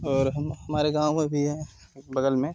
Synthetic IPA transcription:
ɔːɾɦɐmhɐmaːɾeɡãːwmẽbʱiɦɛ̃ | bɐɡəlmẽ

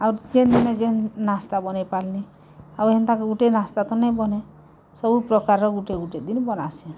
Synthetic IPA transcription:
awɾd͡ʒend̪inɔd͡ʒennast̪abɔnepalni | aweɦnt̪ãkuɡuʈenast̪at̪ɔnejbɔne | sɔbupɾɔkaɾɾɔɡuʈeɡuʈed̪inbɔnase

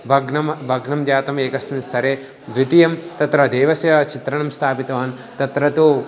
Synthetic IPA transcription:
bʱɐɡnɐmbʱɐɡnɐmd͡ʒaːt̪ɐmeːkɐsmist̪ʰɐɾeː | d̪ɾit̪ijɐmt̪ɐt̪ɾɐd̪eːʋɐsjɐt͡ʃit̪ɾɐnɐmst̪ʰaːpit̪ɐʋaːn | t̪ɐt̪ɾɐt̪u

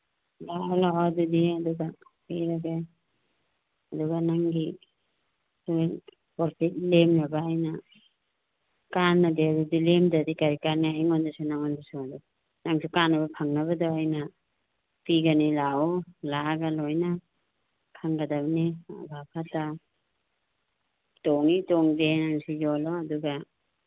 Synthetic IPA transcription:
lalawadudiaduɡa | eɾaɡa | aduɡanaŋɡi | su | pɔɾpʰit̚lemnabaːjna | kanːadeadudilemdadikaɾikaɾniajŋɔndasunaŋɔndasuadu | naŋsukanːaβapʰaŋnaβadoajna | piɡanilaɔlaɡalojna | kʰaŋɡadabnḭbʱapʰata | tɔŋitɔŋdenaŋsizɔlɔaduɡa

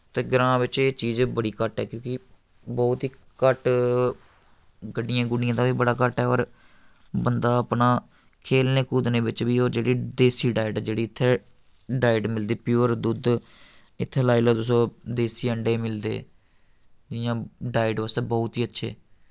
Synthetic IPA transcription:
t̪eːɡɾãːʋɪt͡ʃeːt͡ʃiːzbəɽiːkəʈɛːkjõːkɪ | bɔːt̪ɦiː | kəʈ | ɡəɖɪjãːɡʊnɪ̃jãːt̪ãːʋiːbəɽaːkəʈɛːɔːɾ | bənd̪aːəpnaː | kʰeːlneːkuːd̪nẽːʋɪt͡ʃʋiːoːɾd͡ʒeːɽiːd̪eːsiːɖaːɪɖɛd͡ʒeːɽiːɪt̪ʰːeː | ɖaːɪɖmɪld̪eːpjuːəɾd̪ud̪ | ɪt̪ʰːeːlaːilaːt̪ʊsõːd̪eːsiːəɳɖeːmɪld̪ḛː | d͡ʒɪjãːɖaːɪɖʋəst̪eːbɔːt̪iːətːʃʰḛː

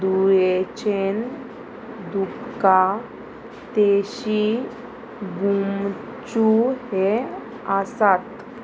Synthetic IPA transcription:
d̪ujet͡ɕen | d̪upka | t̪eɕi | ɡum | t͡ɕuhe | əsat̪

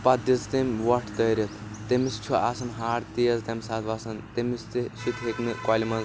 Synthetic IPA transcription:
pɐd̪it͡st̪emʲʋɐʈʰt̪ɐɾʲɐt̪ʰ | t̪emist͡ʃʰuasɐnɦaːɾt̪ijɐzt̪ɐmʲsaːt̪ʰʋasɐnt̪emist̪eʃit̪ʰɦekmikaːlʲimɐz

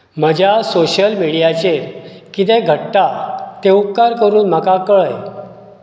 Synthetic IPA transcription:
m̤əd͡ʑʱjasoɕəlmiɽijat͡ɕeɾ | kit̪̬eɡʱəʈːat̪eup̚kaɾkəɾuːnm̤akakəɭəj

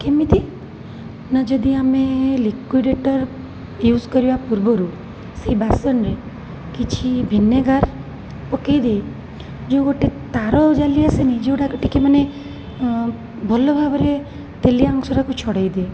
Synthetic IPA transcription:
kemit̪i | nad͡ʒɔd̪iamelikiɖeʈəɾ | juːzkɔɾiapuɾbɔɾu | sibasɔnɾe | kit͡ʃʰibʱinːeɡaɾ | pɔkejd̪ej | d͡ʒõɡoʈet̪aɾɔd͡ʒaliasenid͡ʒeuɽakəʈikeməne | bʱɔlɔbʱabɔɾe | t̪eliaŋksɔɾakut͡ʃʰɔɽejd̪e

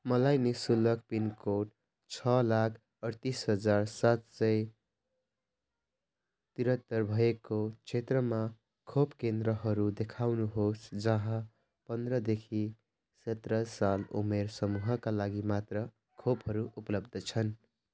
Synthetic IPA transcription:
mʌlajnesulʌkpinkoʈ̚ | t͡sʰʌlakʰ | ʌɾt̪isɦʌd͡zarsat̪sʌj | t̪iɾʌt̪ːʌrbʱʌekot͡sʰet̪rʌma | kʰopkend̪ɾʌɦʌɾud̪ekʰawnuɦosd͡zʌɦʌ̃ | pʌnd̪rʌd̪ekʰi | sʌt̪rʌsalṵmersʌmuɦʌkalaɡimat̪rʌ | kʰopɦʌɾuʔupʌlʌb̚d̪ʱʌt͡sʰʌn

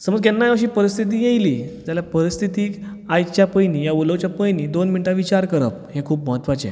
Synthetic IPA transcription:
səməd͡zkjanːajaəɕ̬iːpəɾist̪ʰit̪̬iːjejliːd͡zaljapəɾist̪ʰit̪iːkajt͡ɕjapəjniːjauləʋt͡ɕjapəjniːd̪onminʈãʋit͡ɕaɾkəɾəphẽkʰuːp̚məɦət̪ʋat͡sḛ

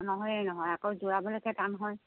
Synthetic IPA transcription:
nɔɦɔjɛnɔɦɔjakowzuɹabɔlejkʰɛtanɦɔj

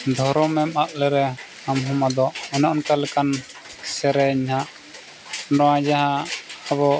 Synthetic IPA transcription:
d̪ʱɔɾɔmɛmaʔ̚lɛɾɛ | amɦɔmad̪ɔʔɛnɔʔnkalɛkan | sɛɾɛɲɦaʔ | nɔwad͡ʒaɦaaβɔ

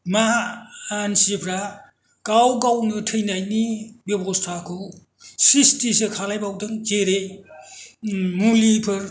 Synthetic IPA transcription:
maː | nsipʰɾa | kawɡawnɯtʰɯjnajnibebostʰakʰow | sistisekʰalajbawdɯŋkeɾe | mulipʰɯɾ

